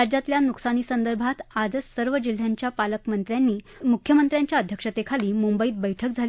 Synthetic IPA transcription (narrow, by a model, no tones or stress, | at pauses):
ad͡ʑat̪ljanuksaniːsənd̪əɾbʱat̪ad͡zəsəɾʋəd͡ʑil̤ːjaɲt͡ɕjapaləkmənt̪ɾjanːiː | mukʰjəmənt̪ɾjaɲt͡ɕjaəd̪ʱjəkʂət̪ekʰaliːmumbəiːt̪̚bəjʈʰəkd͡zʱal